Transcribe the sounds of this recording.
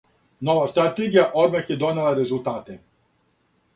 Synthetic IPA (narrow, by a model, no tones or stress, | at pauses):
noʋast̪ɾat̪eɡijaʔoɾmaxjed̪onelaɾezulˠt̪aːt̪e